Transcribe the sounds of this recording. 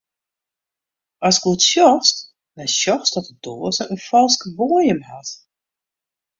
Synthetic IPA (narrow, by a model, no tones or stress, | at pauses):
ʔɔskutsjɔxst | nɛsjɔxsdɔtəd̥oːəzəənfɔlˠskəʋoəjəmhat